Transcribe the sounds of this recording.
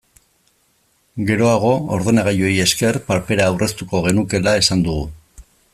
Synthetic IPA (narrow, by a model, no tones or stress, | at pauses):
ɡe̞ɾo̞aɣ̞o̞oɾðenaɣ̞ajo̞je̞ske̞rpaɾpe̞ɾaːwrʔe̞st̪uko̞ɣ̞e̞nuke̞lae̞sand̪uɣu